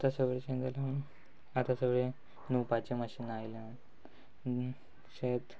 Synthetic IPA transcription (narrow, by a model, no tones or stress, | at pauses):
at̪asəʋɭet͡ɕend̪əla | at̪asəʋɭe | nupat͡ɕeməɕinajla | ɕet̪